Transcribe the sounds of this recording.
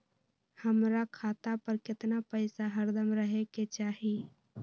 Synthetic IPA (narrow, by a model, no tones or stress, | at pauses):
həmɾakʰaːt̪apəɾkɪt̪napəɪsaɦəɾd̪əmɾəɦeket͡ʃaːɦi